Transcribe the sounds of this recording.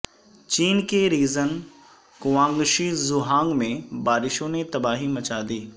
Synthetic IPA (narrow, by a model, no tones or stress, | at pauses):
t͡ɕiːnkeɾiːzən | kʊʋãːŋɡʃizʊɦãːŋɡmẽbaːɾɪʃõnet̪ɐbaːɦimɐt͡ʃaːd̪iː